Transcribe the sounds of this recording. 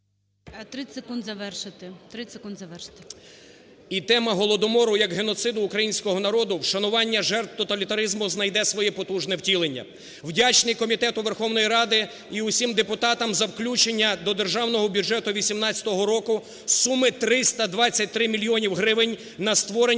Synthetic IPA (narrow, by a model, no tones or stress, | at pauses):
t̪ɾɪsʲekund̪zɐʋɛrʃɪt̪ɪt̪ɾɪsʲekund̪zɐʋɛrʃɪ̥t̪ɪ | it̪ɛmɐɦɔlˠɔd̪ɔmɔɾʊjɐkɦenɔt̪sɪd̪ʊːkɾɐjinʲsʲkɔɦɔn̪ɐɾɔd̪ʊwʃɐnʊʋɑnʲːɐʒɛrt̪̚t̪ɔt̪ɐlʲit̪ɐɾɪzmʊznɐjd̪ɛsʋɔjɛpɔt̪uʒnɛwtʲilˠenʲːɐ̰ | wdʲat͡ʃnɪjkɔmʲit̪ɛt̪ʊʋerxɔwnɔjiɾɑd̪ɪ | iʊsʲimd̪epʊt̪ɑt̪ɐmzɐwklʲut͡ʃenʲːɐd̪ɔd̪e̞rʒɑwn̪ɔɦɔbʲudʒɛt̪ʊʋʲisʲimnɑt͡sʲɐ̥t̪ɔɦɔɾɔkʊ | sumɪt̪ɾɪst̪ɐd̪ʋɑt͡sʲːɐt̚ʲt̪ɾɪmʲilʲijɔnʲiwɦɾɪʋɪnʲ | nɐst̪ʋɔɾe